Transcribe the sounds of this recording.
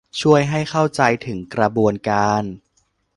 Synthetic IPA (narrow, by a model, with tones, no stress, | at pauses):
t͡ɕʰu˥˩əjɦa˥˩jxʰa˥˩wt͡ɕa˧jt̪ʰɯ˩˦ŋkɾa˧bu˧ənkaː˧n